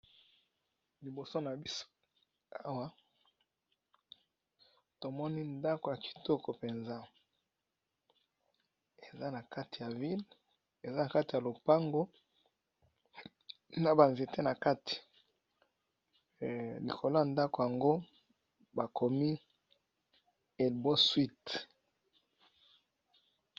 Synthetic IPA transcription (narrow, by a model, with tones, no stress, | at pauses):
li˨bo˨so˦na˨bi˦so̥˦ | a˦wa˦ | to˨mɔ˦ni˦nda˦ko˨ja˨ki̥˨tɔ˦ko˨pe˨nza˦ | e˨za˦na˨ka˦ti˨ja˨vi˦l | e˨za˦na˨ka˦ti˨ja˨lo˨pa˦ŋɡo˦ | na˨ba˨nze˨te˦na˨ka˦ti̥˨ | lḭ˨kʰo˨lo˦a˨nda˦ko˨ja˨ŋɡo˦ | ba˨kʰo˨mi˦ | e˨lbo˦swi˦t